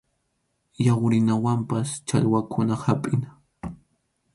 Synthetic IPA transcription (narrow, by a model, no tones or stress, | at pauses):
jawɾɪnawampast͡ʃa̰ʎwakʰʊnahapʼɪna